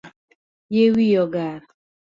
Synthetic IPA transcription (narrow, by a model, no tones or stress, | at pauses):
jewijɔɡaɾa